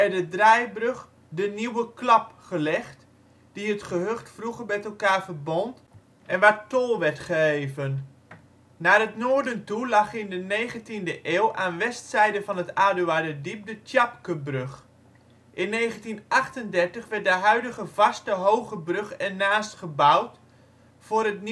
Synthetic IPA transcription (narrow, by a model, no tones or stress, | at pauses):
ɛdədrajbrøχ | dəniwəklɑpχəlɛχt | d̥iɦətχəɦøχtfruχəmɛtɛlˠkaːɹvəɹbɔnt | ʔɛnʋaːɹtolˠʋɛɹtχəɦejvənː | aːrɦətnoːɹdəntulɑχɪndənejχəntindəʔeːwlˠʔaːnʋɛstsɛjdəvɑnɦətaːdyaːdədip̚dətjɑpkəbrɵχ | ʔɪnːejχəntinʔɑχtəndɛɹtəχʋɛɹt̚dəɦœɥdəχəv̥ɑstəɦowχəbrøχɛnːaːstχəbawt | fʊːɾətn